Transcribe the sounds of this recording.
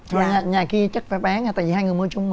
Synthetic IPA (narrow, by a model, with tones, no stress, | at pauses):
t̪ʰo˧˩ɲa˨˩ɲaː˨˩ki˧ət͡ɕə˦˥t̚faː˨˦ɓaː˨˦na˧t̪a̰ː˧˨vi˨˩haː˧jŋɨ˨˩əjmɨ˧˦t͡ɕʊ˧ŋ͡m